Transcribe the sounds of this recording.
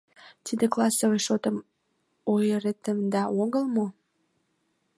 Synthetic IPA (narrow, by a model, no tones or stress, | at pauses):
t̪id̪eklɑsoojʃot̪əm | ojəɾet̪əmd̪ɑoɣəlmo